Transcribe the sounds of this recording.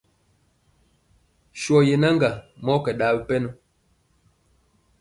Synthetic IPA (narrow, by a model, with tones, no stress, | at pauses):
ʃwɔ˨je˨na˦ŋɡa˨mɔ˦kɛ˨ɗaː˨˦bi˦pɛ˦nɔ˦